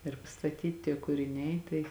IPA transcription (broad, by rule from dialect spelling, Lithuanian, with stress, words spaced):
ɪr pɐstɐˈtʲiːt tʲiɛ kʊrʲɪˈnʲɛɪ ˈtɐɪ